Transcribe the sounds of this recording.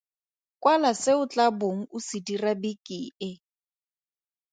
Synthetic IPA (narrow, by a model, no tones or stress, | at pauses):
kʼwalasɪʊt͡ɬʼaboŋ̩ʊsidirabikʼiːɪ